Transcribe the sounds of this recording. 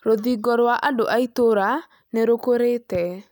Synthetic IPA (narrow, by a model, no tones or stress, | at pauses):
ɾoðiɡɔɾwaʔadoʔaitoɾa | neɾokoɾetɛ